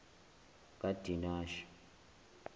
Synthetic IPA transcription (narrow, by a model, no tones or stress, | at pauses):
kʼad̥ʱinaːʃi̥